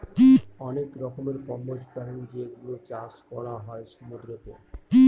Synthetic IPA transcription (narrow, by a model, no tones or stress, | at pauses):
kiɔnekɾɔkʰomeɾkɔmːod͡ʑpaɾend͡ʑeɡulot͡ɕaʃkɔɽaɦɔeʃɔmud̪ɾot̪e | ki